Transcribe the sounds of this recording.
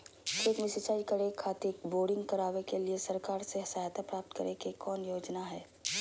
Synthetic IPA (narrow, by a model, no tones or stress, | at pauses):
kʰeːk̪mɪsɪt͡ʃaːikɐɾekʰaːt̪ekboːɖɪ̃ŋɡkɐɾaːʋekeliesɐɾkaːɾseɦsaːjt̪apɾaːp̚t̪kɐɾekekɔːnjoːd͡ʒnaɦɛː